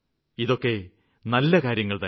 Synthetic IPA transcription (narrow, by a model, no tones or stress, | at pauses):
iðo̞kːe̞ | nɐlːɐkaːɾjɐŋːɐɭt̪ɐ